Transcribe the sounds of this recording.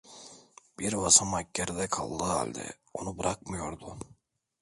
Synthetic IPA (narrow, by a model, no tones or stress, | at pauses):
b̥iɾvasamacːeɾd̪ɛkʰa̰lˠːɯːa̰lʲd̪ɛ̰ | o̞nubɾʔak̚mɯjoɾd̪ʊ